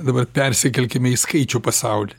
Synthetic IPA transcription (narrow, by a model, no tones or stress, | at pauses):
d̪ɐbɐrpʲɛɾʲsʲɪkʲɛlʲkʲɪmʲɛiskɐɪt͡ʃʲuːpɐsɑʊlʲi